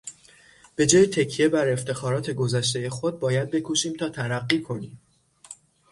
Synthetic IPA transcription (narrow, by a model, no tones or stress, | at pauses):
b̥e̞d͡ʒɒːjet̪ʰecʰije̞bæɾe̞ft̪ʰe̞xɒːɾɒːt̪ʰe̞ɡo̞zæʃ̬t̪e̞je̞xo̞d̪̚bɒːjæd̪̚be̞kʰoʃiːmt̪ʰɒːt̪ʰæɾæɢːiːkʰo̞niːm